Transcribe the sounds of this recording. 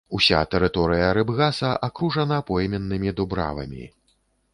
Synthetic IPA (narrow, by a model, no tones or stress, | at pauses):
usʲa̰t̪ɛɾɨt̪ɔɾɨjɐɾɨbɣasɐʔakɾuʐɐnɐpɔjmʲɛnːɨmʲid̪ubɾa̰vɐ̰mʲḭ